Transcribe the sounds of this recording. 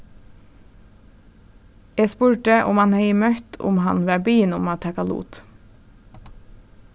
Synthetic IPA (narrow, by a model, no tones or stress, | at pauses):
jæspʉːɹʈəʔʊmɑnheɪmœt̪ʰʊ̰mhɑ̰nʋæːbyjɪnʊmɑt̪ʰɛkɑlṵːt̪